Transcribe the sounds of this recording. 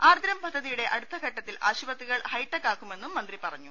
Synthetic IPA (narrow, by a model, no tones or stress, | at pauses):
aːrd̪ɾɐmpɐd̪ʱːɐðijuɽe̞ʔɐɽut̪ːɐɡʱɐʈːɐt̪ːilaːɕubɐt̪ːiɣɐɭhɐjʈːɐkːaːkːume̞nːumːɐnd̪ripɐrɐɲːu